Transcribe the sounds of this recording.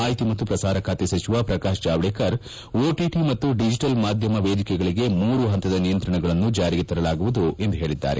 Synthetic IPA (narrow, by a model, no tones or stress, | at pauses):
aːjt̪imɐt̪ːupɾɐsaːɾɐkʰaːt̪esɐt͡ʃiʋapɾɐkaːʃd͡ʒaːʋɭeːkɐɾ | oːʈiʈimɐt̪ːuɖid͡ʒiʈɐlmaːd̪ʱjɐmɐʋeːd̪ikɛɡɐɭiɡe̞muːɾuɦɐnt̪ɐd̪ɐnijɐnt̪ɾɐɳɐɡɐɭɐnːud͡ʒaːɾiɡet̪ɐɾɐlaːɡuʋud̪ue̞nd̪uɦe̞ːɭid̪ːa̰ːɾe